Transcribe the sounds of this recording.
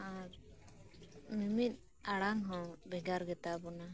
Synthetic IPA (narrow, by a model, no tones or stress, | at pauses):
a | mimit̪̚ˀ | aɽaŋɦɔ̃bʱɛɡaɾɡɛt̪abɔna